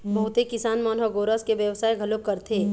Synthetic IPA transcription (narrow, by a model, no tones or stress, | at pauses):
bɐɦʊt̪ekɪsaːnmɔːnɦəɡoːɾəskeʋjəʋsaːjɡʱɐlokɐɾt̪ʰeː